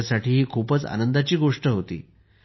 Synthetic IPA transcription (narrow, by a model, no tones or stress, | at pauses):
saʈiːɦiːkʰuːpət͡sa̰nənd̪at͡ɕiːɡoʂʈəɦot̪ḭː